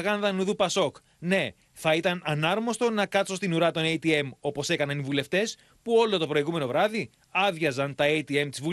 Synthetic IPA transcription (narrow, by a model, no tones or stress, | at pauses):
ɣɐnðɐnuðupɐso̞k | ne̞ | θɐit̪ɐnɐnɐɾmo̞st̪o̞nɐkɐt̪so̞st̪inuɾɐt̪o̞nejt̪ie̞mo̞po̞se̞kɐnɐnivule̞ft̪e̞s | puo̞lo̞t̪o̞pɾo̞iɣume̞no̞vɾɐði | ɐðʝɐzɐnt̪ɐejt̪ie̞mt̪izvu